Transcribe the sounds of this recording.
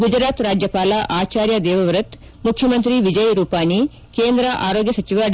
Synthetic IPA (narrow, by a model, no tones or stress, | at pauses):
ɡud͡ʒɾaːt̪ɾaːd͡ʒjɐpaːlɐʔaːt͡ʃaːɾjɐd̪ɛːʋɐʋɾut̪ | mukʰjɐmɐnt̪ɾiʋid͡ʒɐjɾuːpaːni | keːnd̪ɾɐʔa̰ːɾoːɡjɐsɐt͡ʃiʋaː